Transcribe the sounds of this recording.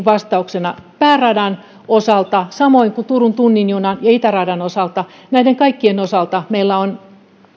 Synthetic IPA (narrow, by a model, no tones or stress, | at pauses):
ʋɑst̪ɑuksenɑpæːrɑdɑn | osɑlt̪ɑsɑmoiŋkut̪urunt̪unːinjuunɑnjɑit̪ærɑdɑnosɑlt̪ɑ | næideŋkɑikːienosɑlt̪ɑmeilːæon